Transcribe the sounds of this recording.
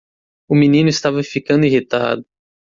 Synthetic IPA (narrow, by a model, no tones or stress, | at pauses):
ʊminĩnʊist̪avɐfikɐ̃nd̪ʊiɦit̪a̰d̪ʊ